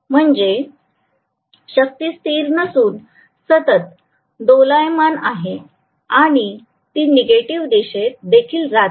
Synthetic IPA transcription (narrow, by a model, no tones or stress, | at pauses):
m̤əɳd͡ze | ɕək̚t̪iːst̪iːɾnəsuːn | sət̪ət̪̚ | d̪olajmanaɦe | aɽ̃i | t̪iːneɡeʈiʋd̪eɕet̪̚d̪ekʰiːlɾa